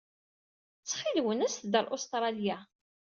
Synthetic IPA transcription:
t͡sːχilwənæst̪d̪əlʔost̪ɾˤɑlja

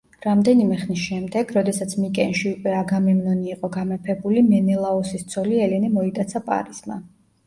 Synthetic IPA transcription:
ɾamd̪ɛnimɛχnisʃɛmd̪ɛɡɾɔd̪ɛsat̪sʰmikʼɛnʃiukʼwɛaɡamɛmnɔniːqʼɔɡamɛpʰɛbulimɛnɛlˠaɔsist̪sʰɔliɛlɛnɛmɔid̪t̪ʼat̪sʰapʼa̰ɾisma̰

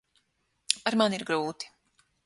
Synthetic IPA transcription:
aɾmaniɾɡɾuːt̪i̥

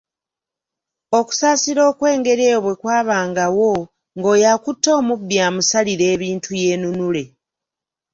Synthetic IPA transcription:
o̞ku̥saːsiɾo̞ːkwe̞ːŋɡe̞ɾe̞ːβwe̞kwaːβaːŋɡawo̞ | ŋɡo̞ːjakutːo̞ːmubːjaːmusaliɾe̞ːβiːntʰuje̞ːnunule̞

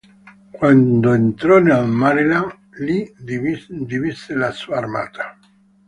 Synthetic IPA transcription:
kwand̪oent̪ɾoneamaɾela | liid̪iβiselasuaɾma̰t̪ʰḁ

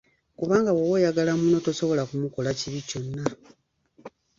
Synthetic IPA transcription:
kuβaːŋɡawowejaɡalamuno̞toso̞βo̞lakumukolaciβico̞nːa

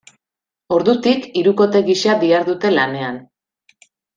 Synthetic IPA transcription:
o̞ɾðut̪ikiɾuko̞t̪e̞ɣisead̪iaɾðut̪e̞lane̞an

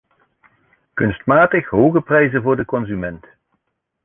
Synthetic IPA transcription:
kɵnstmaːtəχɦowɣəprɛjzənvʊːɹdəkɔnzymɛnt

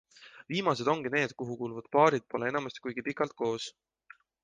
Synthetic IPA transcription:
viːmɑse̞d̪o̞ŋɡ̥ine̞ːd̪̥kuɦukulvɑd̪̥̚pɑːɾid̪̥̚po̞le̞e̞nɑmɑst̪i̥kujɡ̥ipikːˑɑlt̪̚ko̞ːs

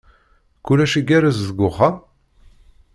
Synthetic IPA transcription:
kulæʃiɡæɾæzðəɡʷʊχa

